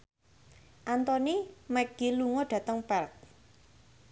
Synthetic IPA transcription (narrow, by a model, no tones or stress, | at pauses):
ʔant̪ɔnimɛɡ̥iluŋɔɖ̥ä̤t̪əŋpɛrt̚